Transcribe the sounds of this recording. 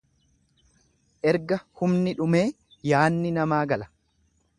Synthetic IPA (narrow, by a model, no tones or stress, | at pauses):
ʔɛɾɡɐhʊmnɪᶑʊme̞ː | jaːnːɪnɐmaːɡɐlɐ̥